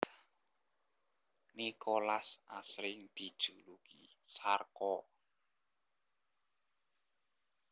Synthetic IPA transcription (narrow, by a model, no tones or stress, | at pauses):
nikʰolasʔasɾɪŋd̪̥i̤d̥ʒ̥ulukisarkɔ